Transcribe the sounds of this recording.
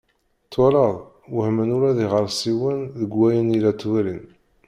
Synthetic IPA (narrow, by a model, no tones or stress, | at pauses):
t̪ːwælɑðˤ | wəhmənuɾæðiʁəɾˤsiwənðəɡwæjənilæt̪ːwæɾin